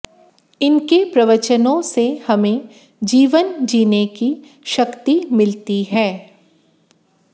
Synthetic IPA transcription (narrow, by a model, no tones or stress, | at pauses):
ɪnkepɾɐʋət͡ʃənõsehɐmẽ | d͡ʒiːʋənd͡ʒiːneki | ʃɐkt̪imɪlt̪iɦɛː